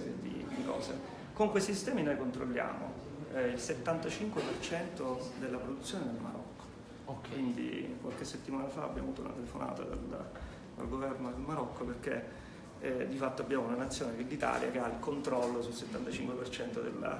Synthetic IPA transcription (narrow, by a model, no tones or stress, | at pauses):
ɾjd̪ḭd̪ikɔ̰ːsḛ | koŋkwest̪isist̪ɛːminojkont̪ɾo̰lːja̰ːmo̰ | ilset̪ːant̪at͡ʃiŋkwepert͡ʃɛnt̪od̪elːapɾod̪ut̪sːjoːned̪elmaɾɔ̰kːo̥ | kwind̪ḭkwalkesːet̪ːimaːnafa̰ːbːjaːmoavuːt̪oṵna̰t̪elefonʔa̰ːt̪a̰d̪a̰l | d̪a̰lɡovɛrnod̪elmaɾɔkːoperkḛ | d̪ifat̪ːoabːjaːmounanat̪sːjoːnekelːit̪a̰ːlja̰keailkont̪ɾɔlːosulset̪ːant̪at͡ʃiŋkwepert͡ʃɛnt̪od̪ḛl̰ː